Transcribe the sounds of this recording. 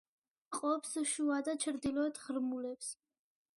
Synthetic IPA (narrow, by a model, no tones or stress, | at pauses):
qʼɔpsʃuad̪at͡ʃʰɾd̪ilɔɛt̪ʰʁɾmulɛps